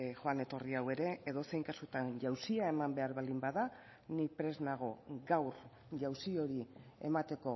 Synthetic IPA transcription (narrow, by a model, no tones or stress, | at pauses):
xoane̞t̪o̞riawe̞ɾe̞eðo̞se̞jŋkasut̪anʝawsiae̞mambe̞aɾβald̪imbaða | nipɾe̞znaɣ̞o̞ɡawɾ | ʝawsio̞ɾie̞̰mat̪e̞ko̞